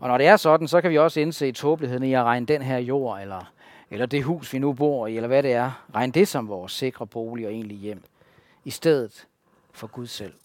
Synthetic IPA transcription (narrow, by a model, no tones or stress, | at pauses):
ʔɒ̽nɒɾ̥e̝æɐsɒ̽d̥n̩sɒ̽kʰæʋiɒ̽səe̝nse̝̰ːit͡sʰɔ̽ːb̥lihe̝ð̰ˠn̩iæʁɑ̈ɪnəd̥enɦæɐ̰jo̝̰ːelɐ | elɐd̥e̝ɦṵːsʋinub̥o̝ɐ̰ielɐʋæɾe̝æɐʁɑ̈ɪnəd̥e̝sɒ̽mʋɒːse̝ɡ̥ʁɐb̥o̝ːliɒ̽e̝̰ːnlijem̰ | isd̥eð̞̰ˠð̩ˠ | fɒ̽ɡ̥uð̞ˠsel̰